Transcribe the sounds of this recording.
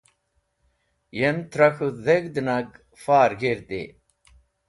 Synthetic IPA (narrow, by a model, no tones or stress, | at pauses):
jemt̪ɾɐxuðeɡd̪ɨnɐɡ | faːɾɡeɾd̪ḛ